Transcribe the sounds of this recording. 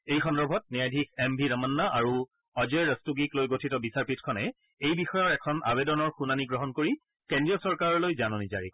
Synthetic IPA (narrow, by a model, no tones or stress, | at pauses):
ejxɔnɹɔbʱɔt̚nijajdʱikʰɛmbʱidəmɔnːaʔaɹu | ɔzɛɹɹəstuɡiklojɡotʰitɔbisaɹpitʰkʰɔnɛ | ejbixɔjɔɹɛkʰɔnʔa̰bedɔnɔɹxunaniɡɹɔɦɔnkoɹi | kendɹiɔsɔɹkaɹɔɹlojzanɔnizaɹik